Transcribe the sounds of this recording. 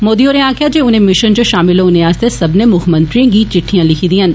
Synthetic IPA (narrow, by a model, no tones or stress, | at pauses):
moːd̪ioːɾẽaːkʰjad͡ʒeːʊnẽmɪʃənd͡ʒoʃaːmɪlɦoʊnẽaːst̪esɐbnemʊkʰmɐ̃nt̪ɾiãɡiːt͡ʃɪʈʰːijãlɪkʰid̪iɦɐn